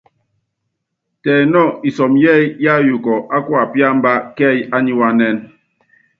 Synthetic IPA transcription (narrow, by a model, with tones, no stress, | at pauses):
tɛː˨nɔ˦˨i˨sɔ˨mjɛ˦˨jja˦˨ju˨kɔ˨ʔa˦kwa˨pja˦m̩˦ba˦kɛ˦˨ja˦ɲi˦wa˦nɛ˦n